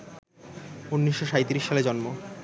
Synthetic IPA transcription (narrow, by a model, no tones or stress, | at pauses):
unːiʃːoʃajt̪iɾiʃːaled͡ʑɔnmo